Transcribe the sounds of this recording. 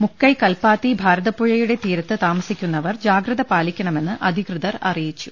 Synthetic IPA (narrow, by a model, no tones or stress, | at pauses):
mukːɐjkɐlpaːt̪ːibʱaːɾɐðɐpːuɻɐjuɽe̞t̪iːɾɐt̪ːɨt̪aːmɐsikʲːunːɐʋɐrd͡ʑaːɡrɨðɐpaːlikʲːɐɳɐme̞nːɨʔɐd̪ʱikrɨðɐrɐ̰rijit͡ɕːu̥